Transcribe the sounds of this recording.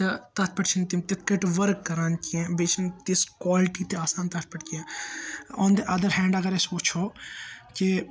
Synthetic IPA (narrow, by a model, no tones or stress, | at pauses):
t̪ɐt̪ɐt̪̚ʰpɐʈt͡ʃʰint̪imt̪ɪt̪̚kɐʈʋɐɾkːɐɾaːnkiɛ̃beːt͡ʃʰint̪iskwaːlɪʈit̪eaːsãːnt̪ɐt̪̚ʰpɐʈkiɛ̃ː | õːnd̪eʔɐd̪əɾɦɛ̃ːɳɖɐɡɐɾɛsot͡ʃʰoːke